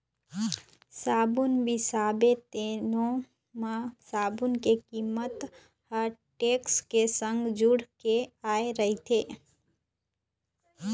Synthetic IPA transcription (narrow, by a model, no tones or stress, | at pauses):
saːbʊnbʱisaːbet̪eːnõ | mãsaːbʊnkekiːmət̪ | həɾʈeːkskesə̃ŋɡd͡ʒʊɽkeaːeɾəɦit̪ʰeː